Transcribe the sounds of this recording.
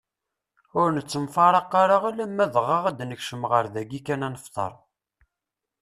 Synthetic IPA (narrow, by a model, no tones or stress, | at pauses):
ʊɾnət͡sːəmfɑɾˤɑqːaɾaʁælæmːæðʁɑʁæd̪nəçʃəmʁəɾðæɡikænænəft̪ˤə̰ɾˤ